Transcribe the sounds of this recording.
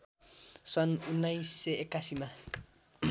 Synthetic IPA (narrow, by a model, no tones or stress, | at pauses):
sʌnunːajsːeekːasima